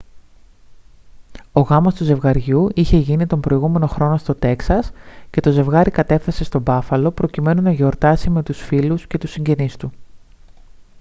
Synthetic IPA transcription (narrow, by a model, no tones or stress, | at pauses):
o̞ɣɐmo̞st̪uze̞vɣɐɾʝuiçe̞ʝinit̪o̞mbɾo̞iɣume̞no̞xɾo̞no̞st̪o̞t̪e̞ksɐsce̞t̪o̞ze̞vɣɐɾikɐt̪e̞fθese̞st̪o̞bɐfɐlo̞pɾo̞cime̞nunɐʝo̞ɾt̪ɐsime̞t̪usfilusce̞t̪usiɲɟe̞nist̪u